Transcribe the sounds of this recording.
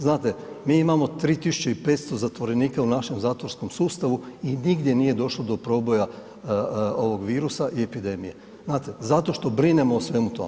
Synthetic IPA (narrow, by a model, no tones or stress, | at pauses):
znaːt̪e | miːimamo̞t̪ɾiːt̪isut͡ʃeipe̞t̪st̪o̞zat̪ʋo̞ɾe̞niːkaunaʃe̞mzaːt̪ʋoɾsko̞msuːst̪aʋuiniɡd̪je̞niːje̞d̪o̞ʃlˠo̞d̪o̞pɾo̞ːbo̞ja | o̞ʋo̞ɡʋiːɾusaʔie̞pid̪e̞mije̞̰ | znaːt̪e̞zat̪o̞ʃt̪o̞bɾine̞moːsʋe̞mut̪o̞̰mḛ